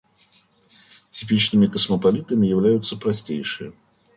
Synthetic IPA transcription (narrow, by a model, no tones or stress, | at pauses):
tʲɪpʲit͡ɕnɨmʲɪkəsməpɐlʲit̪əmʲɪjɪvlʲæjʊt̪sːəpɾɐsʲtʲejʂɨjə